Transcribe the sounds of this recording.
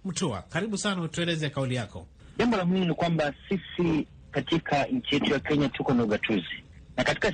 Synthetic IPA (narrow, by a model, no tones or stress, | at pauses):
m̩tua̰kaɾiɓusanautuɛlɛzɛkaulijakɔ̰ʄambɔlamininikwambasisi | katikʰaɲ̩t͡ʃijɛtujakɛɲatukɔnauɠatʰuzinakati̥ka